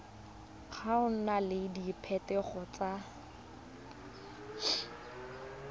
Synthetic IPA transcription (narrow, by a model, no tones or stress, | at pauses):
χʰaʊn̩nalɪdipʰɛtɛχɔt͡sa